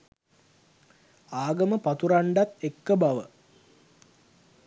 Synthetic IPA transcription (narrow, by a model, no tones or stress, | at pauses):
aːɡəməpat̪uɾaɳɖat̪ekːəbaʋə